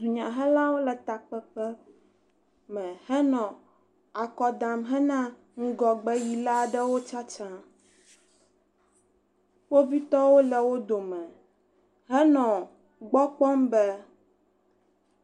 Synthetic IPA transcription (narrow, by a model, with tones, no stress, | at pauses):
d̪u˨ɲã˨ɦɛ˦la˦wo˦lɛ˨t̪a˨k͡pɛ˦k͡pɛ˦ | mɛ̃˨hɛ˦nɔ̃˨ | a˨kɔ˨d̪ã˨mɦɛ˦nã˦ | ŋũ˦ɡɔ˨ɡ͡bɛ˦ji˨la˦ɖɛ˦wo˦t͡ʃa˦t͡ʃã˦ | wo˦vi˦t̪ɔ˦wo˦lɛ˨wo˦d̪o˨mɛ̃˨ | ɦɛ˦nɔ̃˨ | ɡ͡bɔ˦k͡pɔ˦mbɛ˦